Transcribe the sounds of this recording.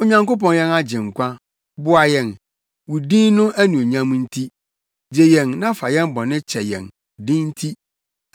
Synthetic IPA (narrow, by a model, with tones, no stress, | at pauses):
ʊ˨ɲã˨ŋko˦p̬ɔ̃˨njɛ˦na˦d͡ʑɪ̃˨ŋ̩˨kʷã˦ | bʊ˦a˨jɛ̃˨n | wu˨dĩ˦nʊ̃˦æ˦nũ˨o˨ɲã˦mũ˦n̩˦tʰi˦ | d͡ʑe˨jɛ̃˨nnã˦fa˨jɛ̃˦m˦bɔ̃˨nɪ̃˦t͡ɕʰɛ˨jɛ̰̃˨n˨ | dĩ˦n̩˦tʰi˦